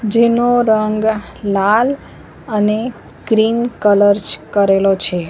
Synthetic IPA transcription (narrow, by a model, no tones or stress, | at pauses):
d͡ʒenoɾəŋɡ | lal | əne | ɡɾinkələɾd͡ʒkəɾelot͡ʃʰe